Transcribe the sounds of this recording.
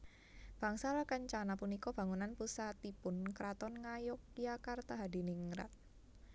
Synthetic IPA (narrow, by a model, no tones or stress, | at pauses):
b̥a̤ŋsalakaɲt͡ʃanapunikɔb̥a̤ŋunanpusat̪ipʊnkɾat̪ɔnŋajʊk̚ijakart̪aɦadi̤niŋɾa̰t̪̚